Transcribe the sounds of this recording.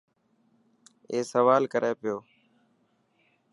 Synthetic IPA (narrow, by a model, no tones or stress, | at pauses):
eːsəʋaːlkəɾʔeːpɪjoː